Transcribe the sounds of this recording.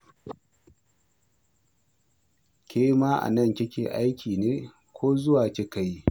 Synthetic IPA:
kʲʰeː˦maː˦ʔa̰˨nɐ˦˨ŋkʲɪ˦kʲḛː˨ʔa˦jkʲʰiː˨neː˦ | kʷʰoː˦zʊ˦waː˨kʲe˦ka˦ji˦

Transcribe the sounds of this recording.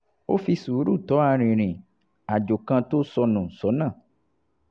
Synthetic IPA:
wʔo˦fi˧su˨˦ɾu˦˨t̪ɔ˨˦a˧ɾ̃ĩ˨ɾ̃ĩ˨ | a˨d͡ʒo˨kã˧t̪o˦sɔ˧nũ˨sɔ˨˦nã˦˨

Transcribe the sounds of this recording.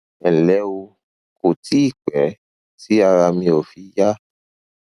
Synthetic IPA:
ɛ˨lɛ˨˦o˧ | ko˨tʰi˦i˦˨k͡pɛ˨˦ | ti˦a˧ɾa˧mĩ˧o˨fi˨˦ja˦

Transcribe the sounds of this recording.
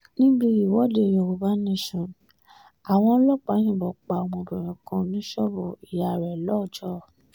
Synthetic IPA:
nĩ˦bi˧i˨wɔ˦de˧˨jo˨˧˨wu˨ba˦nĩ˦˨ʃũ˨ | a˨w̃ɔ̃˧˦lɔ˦k͡pã˨˦ĩ˦˨bɔ˨k͡pa˨mɔ̃˧˨ɾũ˨j̃ɔ̃˨kã˧nĩ˨˦ʃɔ˦bo˨i˨ja˨ɾɛ˨lɔ˦˨d͡ʒɔ˦˨

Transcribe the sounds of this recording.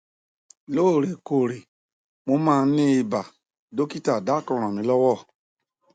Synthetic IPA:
lo˦˨ɾe˨ko˨ɾi˨ | mo˦mãː˦˧˦nĩ˦i˧ba˨ | do˦ki˦ta˨da˦˨kɔ˧ɾ̃ã˨mĩ˨˦lɔ˦wɔ˦˨

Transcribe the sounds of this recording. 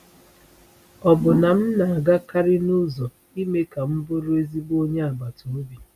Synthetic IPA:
ɔ˨bʊ˨na˨m̩˦na˨a˨ɡa˦ka˦ɾɪ˦nu˦zɔ˨ | i˦me˦ka˨m̩˦bʊ˦ɾo˦e˦zi˦bo˦ɲe˦a˨ba˨to˨o˦bi˨

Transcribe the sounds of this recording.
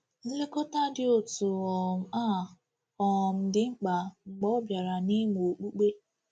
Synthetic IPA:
n̩˦le˦kɔ˦ta˦dɪ˦o˦˨tu˨ɔ˨m̩˦˨a˦˨ | ɔ˨m̩˦dɪ˦ŋ͡m̩˦k͡pa˨ŋ͡m̩˨ɡ͡bɔ˦bja˨ɾa˨ni˦mu˨o˨k͡pu˦k͡pe˦

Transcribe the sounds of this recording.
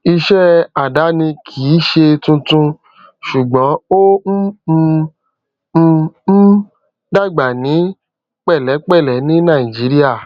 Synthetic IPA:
i˧ʃɛ˦a˨da˨˦nĩ˧kʰi˨˦ʃe˧tũ˧tũ˧ | ʃu˨ɡ͡bɔ̃˨˦o˦˧˦ | da˦˨ɡ͡ba˨nĩ˨˦ | k͡pɛ˦˨lɛ˨˦k͡pɛ˦˨lɛ˨˦nĩ˦nã˦˨i˨d͡ʒi˨˦ɾi˦a˦˨

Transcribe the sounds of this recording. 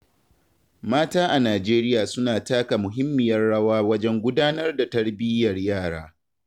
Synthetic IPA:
maː˦taː˦ʔa˨naː˨d͡ʒeː˦ɾɪ˦jaː˨sʊ˦naː˨taː˦ka˨mʊ˨ɦɪ˦mːɪ˨jɐ˦rɽɐ˦waː˦wɐ˦d͡ʒɛ˦ŋɡʷʊ˦daː˦nɐ˦rda˨tɐ˦ɽbɪ˦jɐ˨rjaː˦˨ɽa̰ː˦

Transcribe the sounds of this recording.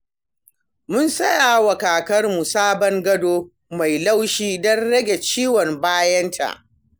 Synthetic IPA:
mʊ˦nsɐ˦jaː˨wɐ˨kaː˨kɐ˦rmu˨saː˦bɔ˦ŋɡɐ˦doː˦ | ma˨jla˦wʃiː˦dɐ˦nɽɐ˦ɡʲe˨t͡ʃiː˦wɔ˨mbaː˦jɐ˦ntʰa̰˨ʔ

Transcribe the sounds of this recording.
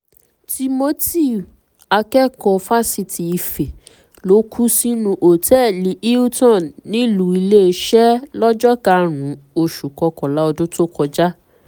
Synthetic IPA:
ti˧mo˦ti˦˨ | a˧kɛ˦kɔ˧fa˦si˧ti˨i˨fe˨ | lo˨˦kʰu˦si˦nũ˧ʔo˨tɛ˦li˨˦ʔi˦tɔ̃˦˨nːĩ˦lu˨˦i˧le˦e˧˦ʃɛ˦lɔ˦d͡ʒɔ˦ka˦ɾ̃ũ˨˦o˧ʃu˨kɔ˧kɔ˨la˨˦ɔ˧do˦to˦˨kɔ˧d͡ʒa˦

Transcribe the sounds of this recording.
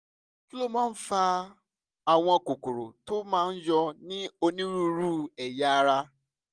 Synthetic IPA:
ki˦lo˦mãː˦n̩˦fa˧ | a˨w̃ɔ̃˧˨ko˨ko˨ɾo˨to˦mãː˦˧n̩˦d͡ʒɔ˧nĩ˦o˧nĩ˦ɾu˦ɾu˦ɛ˨ja˦a˦ɾa˦

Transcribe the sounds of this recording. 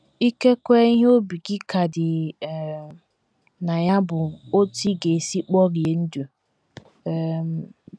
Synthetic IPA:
i˦ke˦kʷe˦ɦo˦bi˨ɡɪ˦ka˨dɪ˨ | na˨ja˦bʊ˨o˦ti˦ɡe˨e˨si˦k͡pɔ˦ɾɪ˨e˨n̩˦du˨ | m˨

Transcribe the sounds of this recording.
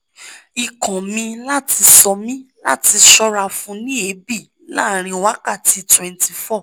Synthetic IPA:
i˨kã˨mĩ˧la˦ti˧sɔ˧mĩ˦la̰˦˨ti˧ʃɔ˧˦ɾa˧fũ˧nĩ˦e˨˦bi˦˨ | la̰˦˨ɾ̃ĩ˧wa˦ka˦˨ti˧twɛ̃˨nti˨fɔ˦˨

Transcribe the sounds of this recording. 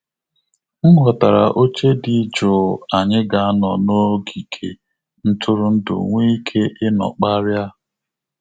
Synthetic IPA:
ŋ̩˦ɦɔ˨ta˨ɾa̰˨ʔo˦t͡ʃe˦di˨˦d͡ʒo˨a˨ɲɪ˦ɡa˨a˦nɔ˨no˦ɡi˨kʰe˨ | n̩˦tʊ˦ɾʊ˦n̩˦dʊ̰˨ŋʷe˦i˦kʰe˦ʔɪ˦nɔ̰˨k͡pa˦ɾja˦

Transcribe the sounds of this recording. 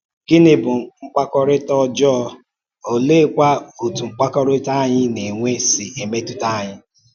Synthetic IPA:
ɡ̥ɪ˦nɪ˦bʊ˨ŋ͡m̩˦k͡pa˦kɔ˦ɾɪ˦tɔ˦d͡ʒɔ˦˧ | o˨le˦˨kʷa˦o˨tu˨ŋ͡m̩˦k͡pa˦kɔ˦ɾɪ˦ta˦ɲɪ˦ne˨ŋʷe˦sɪ˨e˨me˦tu˦ta˦˨ɲɪ˦

